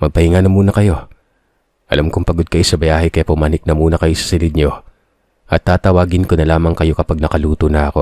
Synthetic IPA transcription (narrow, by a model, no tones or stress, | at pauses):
mɐɡ̚pɐhiŋanɐmuːnɐkɐjo̞ | ʔɐ̰lamkoŋpɐɡod̪̚kɐʔosɐbɐjaːɦɛkɐjapʊmaːnɪk̚nɐmuːnɐkɐjosɐ̥sɪlɪd̪̚ɲo̞ | ʔɐt̪ːaːt̪ɐwaːɡɪnkonɐlaːmɐŋkɐjo̞kɐpaɡ̚nɐkɐluːt̪onɐʔɐko̞